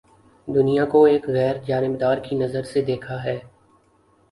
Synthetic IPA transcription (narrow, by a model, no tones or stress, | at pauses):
d̪ʊnijakoeːkɣɛːɾd͡ʒaːnɪbd̪aːɾkinɐzəɾsed̪eːkʰaɦɛː